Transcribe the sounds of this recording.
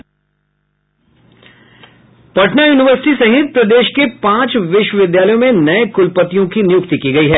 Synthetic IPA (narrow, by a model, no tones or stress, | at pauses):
pɐʈnajuːnɪʋəɾsɪ̥ʈisɐɦɪt̪̚pɾɐd̪eːʃkepãːt͡ʃʋɪʃwəʋɪd̪jaːləjõmẽnɐẽkʊlpət̪ijõkinɪjʊkt̪ikiɡɐiɦɛː